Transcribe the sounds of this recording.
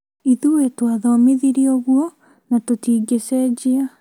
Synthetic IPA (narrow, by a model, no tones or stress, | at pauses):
iðuwetwaðɔmiðiɾioɣwɔ | natotiːɡesed͡ʑia